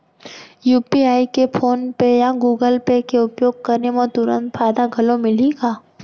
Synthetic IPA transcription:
juːpiaːikepʰoːnpejaɡuːɡəlpekeʊpjoːɡ̚kɐɾnemõt̪ʊɾə̰̃nt̪fʰaːd̪aɡʱɐlõmɪliɡaː

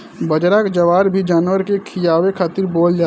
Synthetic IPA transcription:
bəd͡ʒɾakd͡ʒɐʋaːɾbʱid͡ʒaːnwəɾkekʰɪjaːwekʰaːt̪ɪɾboːld͡ʒaː

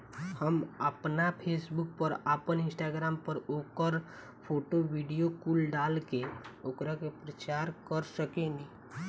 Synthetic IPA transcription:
həməpnapʰeːsbuk̚pəɾapənɪ̃nsʈaːɡɾaːmpəɾoːkəɾ | pʰoːʈoʋiɖijokuːlɖaːlkeoːkɾakepɾət͡ʃaːɾkəɾsəkẽnd̪i

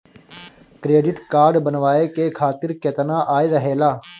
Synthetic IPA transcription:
kɾeːɖɪʈkaːɾɖbənʋaːeːkeːkʰaːt̪ɪɾkeːt̪ənaːʔaːeɾəɦeːlaː

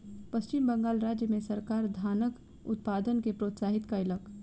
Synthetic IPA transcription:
pəst͡ʃɪmbə̃ŋɡaːlɾaːd͡ʒjəmẽsɐɾkaːɾd̪ʱaːnək | ʊ̰t̪̚paːd̪ənkepɾoːt̪saːɦɪt̪kaɪlək

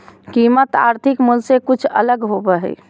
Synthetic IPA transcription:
kimət̪a̰ɾt̪ʰikmulsekut͡ʃʰə̰ləɡɦobɛɦɛ̰

